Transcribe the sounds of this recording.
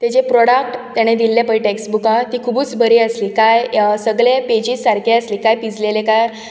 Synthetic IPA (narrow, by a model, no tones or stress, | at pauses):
t̪at͡ɕepɾɔɽak̚ʈt̪jaɽ̃ed̪ilːepəɭiʈeksbukat̪iːkʰubuːt͡sbəɾiːəsliːkajsəɡɭeped͡ʑiːssaɾkʰeəsliːkajpid͡zlelekaɾ